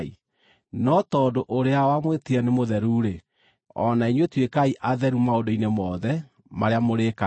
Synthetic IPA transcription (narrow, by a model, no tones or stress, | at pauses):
i | nɔtɔdoʔoɾeawamwetiɛnemoðɛɾuɾe | ɔ̰naiɲwetwekaiʔaðɛɾumaodoinemɔðɛ | maɾeamoɾeːka